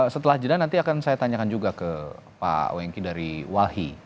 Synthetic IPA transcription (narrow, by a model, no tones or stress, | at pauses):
sət̪əlahd͡ʒədanːant̪iakansajat̪aɲakand͡ʒuɡakəpa̰wɛŋkidaɾiwahi